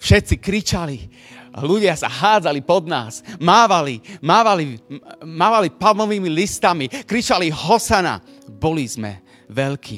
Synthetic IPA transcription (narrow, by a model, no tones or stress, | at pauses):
fʃɛt̪t͡sikɾit͡ʃali | luɟɪasa̰ɦaːd͡zalipɔd̪na̰ːsmaːʋalimaːʋalimaːʋalipamɔʋiːmilist̪amikɾit͡ʃaliɦɔsana̰ | bɔlizmɛ̰ | ʋɛʎkʰiː